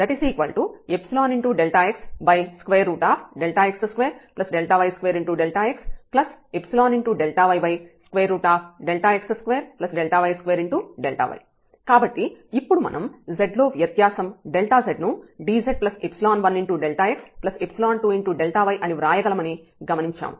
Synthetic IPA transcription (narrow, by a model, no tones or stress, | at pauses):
d̪ɐʈisiːkʋɐ̰ɭʈuepsilaːniɳʈuːɖelʈaːeksbɐjskʋeːɾːuːʈaːpʰɖelʈaːeksɐskʋeːɾplɐsɖelʈaːʋɐjskʋeːɾiɳʈuɖelʈaːeksplɐsepsilaːniɳʈuɖelʈaːʋɐjbɐjskʋeːɾːuːʈaːpʰɖelʈaːeksskʋeːɾplɐsɖelʈaːʋɐjskʋeːɾiɳʈuːɖelʈa̰ːʋɐ̰j | kaːbɐʈːiipːuɽumɐ̰nʔɐmzeɖloːʋjɐt̪jaːsɐmɖelʈaːzeɖnuɖiːd͡ʒeɖ̚plɐsepsilaːnʋɐnːiɳʈuːɖelʈaːeksplɐsepsilaːnʈuːiɳʈuːɖelʈaːʋɐjʔɐniʋɾaːjɐɡɐlɐmɐni | ɡɐmɐniɲt͡ʃa̰ːmu